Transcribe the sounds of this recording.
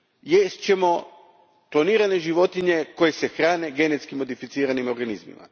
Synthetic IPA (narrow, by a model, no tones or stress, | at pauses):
jest͡ɕe̞mo̞ | klˠoniːɾane̞ʒiʋo̞t̪iɲe̞ko̞je̞se̞xɾaːne̞ɡe̞ne̞t̪skimo̞d̪ifit̪siːɾanimo̞ɾɡanizmḭma̰